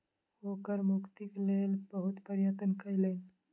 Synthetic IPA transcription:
hoːkəɾmʊkt̪ikleːlbəɦʊt̪pəɾjət̪ənkɐileːn

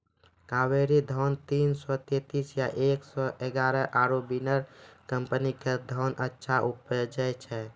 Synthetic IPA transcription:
kaweɾid̪ʱɔnt̪iːnsɔt̪et̪isjaʔeksɔʔeɡaːɾəʔaːɾobinəɾkəmpəniked̪ʱɔːnʔətːʃʰaʔupəd͡ʒəjt͡ʃʰɛ

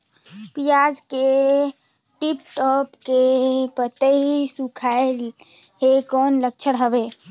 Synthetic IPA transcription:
pijaːd͡ʒke | ʈip̚ʈɔːpkepət̪eɦisukʰael | ɦekɔːnlək̚t͡ʃʰəɽɦəʋeː

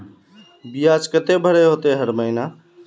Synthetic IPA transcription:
bijad͡ʒkət̪ebʱəɽeɦot̪eɦəɾməɪna

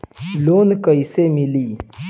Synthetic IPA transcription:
lonkəjsemili

